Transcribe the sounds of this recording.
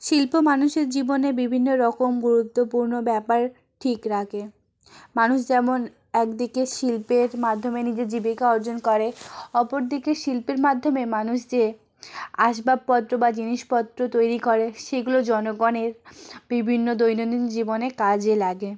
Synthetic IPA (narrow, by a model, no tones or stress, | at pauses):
ʃilpomanuʃeɾd͡ʑibonebibʱinːoɾɔkomɡuɾut̪ːopuɾnobɛpaɾ | ʈʰikɾakʰe | manuʃd͡ʑɛmon | ɛkd̪ikeʃilpeɾmad̪ʱːomenid͡ʑed͡ʑibikaɔɾd͡ʑonkɔɾeɔpoɾd̪ikeʃilpeɾmad̪ʱːomemanuʃd͡ʑe | aʃ̬bab̚pɔt̪ːɾobad͡ʑiniʃpɔt̪ːɾot̪ojɾikɔɾeʃeɡulod͡ʑɔnoɡɔneɾbibʱinːod̪ojnod̪ind͡ʑibonekad͡ʑelaɡe